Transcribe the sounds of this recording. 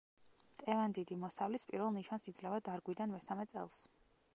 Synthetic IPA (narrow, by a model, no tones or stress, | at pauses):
t̪ʼɛvand̪id̪imɔsavlispʼiɾvɛlˠniʃansid̪zlɛvad̪aɾɡwid̪anmɛsamɛt̪sʼɛ̰lˠs